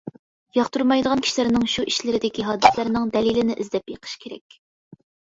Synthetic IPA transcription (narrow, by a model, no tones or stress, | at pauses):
jɑχt̪uɾmɑjd̪əʁɑnkʲʰi̥ʃlɪɾnɪŋʃuʔiʃlɪɾɪd̪ɪkʲiɦɑːd̪ɨslæɾnɪŋd̪ɛlilɪnɪʔɪzd̪ɛpjeqʰə̥ʃkʲʰeɾɛ̰kʲ